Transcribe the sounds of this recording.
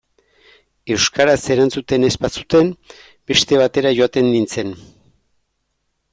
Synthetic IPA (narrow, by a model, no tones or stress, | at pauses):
e̞wskaɾase̞ɾant͡sut̪e̞ne̞spasu̥t̪e̞m | be̞ʃt̪e̞β̞at̪e̞ɾaʝo̞at̪e̞nd̪int͡se̞n